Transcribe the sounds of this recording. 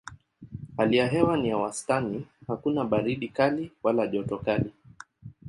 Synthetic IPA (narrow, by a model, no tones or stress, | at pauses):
halijaɦɛwanijawastanihakunaɓaɾiɗikaliwalaʄɔtɔkali